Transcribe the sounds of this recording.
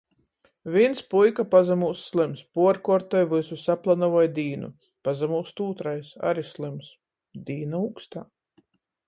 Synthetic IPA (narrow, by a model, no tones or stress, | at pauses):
vʲinspujkapazamuːsːlˠɨmspuɔɾkɔɾt̪ɔjvɨsusaplˠanavɔjd̪iːnṵ | pazamuːst̪uːt̪ɾajsa̰ɾislˠɨms | d̪iːnauːkst̪aː